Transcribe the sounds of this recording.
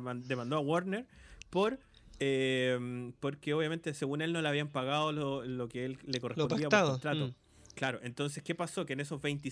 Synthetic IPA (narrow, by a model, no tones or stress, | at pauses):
d̪emãnd̪oawoɾneɾpoɾ | empoɾkeoβjame̞nt̪eseɣune̞lno̞leaβiampaɣaðololokeelːeko̞responpaiapt̪aðoot̪ɾat̪o | klaɾo̞ʔe̞nt̪o̞ns̬e̞ske̞paso̞keːneso̞zβe̞jnt̪i